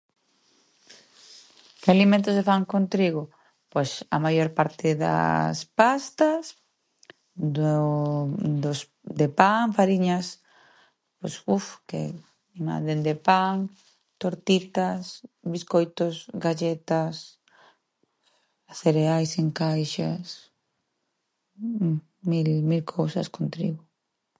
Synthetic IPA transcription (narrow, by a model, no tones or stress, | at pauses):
kɪalimẽnt̪̬ʊsefaŋkont̪ɾiɣ̞o | pojsa̰majoɾpaɾt̪ɪða̰spast̪as | d̪os | d̪epaŋfaɾiɲas | posufkḛ | mã̰nd̪end̪epaŋ | t̪oɾt̪it̪asbiskojt̪osɡaʒet̪as | θeɾeajseŋkajʃas | milmilkʰowsa̰skont̪ɾḭɣo